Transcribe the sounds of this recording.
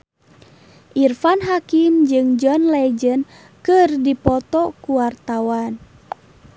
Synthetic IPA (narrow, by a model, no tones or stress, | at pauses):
ʔirfanɦakimd͡ʒɨŋd͡ʒɔnlɛd͡ʒən | kɨrdipɔt̪ɔkuwart̪awan